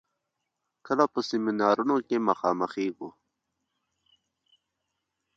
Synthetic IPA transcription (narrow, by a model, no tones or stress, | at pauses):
kəlapəsiminaːɾunokeməxɑːməxeːɡu